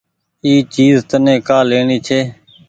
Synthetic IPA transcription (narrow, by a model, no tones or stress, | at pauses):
iːt͡ʃiːzt̪ənẽːkaːleːɳiːt͡ʃʰeː